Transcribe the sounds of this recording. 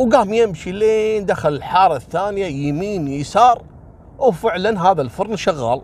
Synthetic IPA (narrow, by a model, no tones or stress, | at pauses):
wɡaːmjɪmʃileːnd̪axalɪlħɑːɾˤɑθːaːnjajɪmiːnjəsɑːɾˤ | wfɪʕlanɦaːðalfʊɾˤnʃaɣːa̰ːl